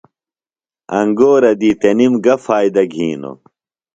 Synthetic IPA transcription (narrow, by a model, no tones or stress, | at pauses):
ɐ̰ŋɡoːɾɐd̪iːt̪enimɡɐfaːjd̪ɐɡʱiːno̰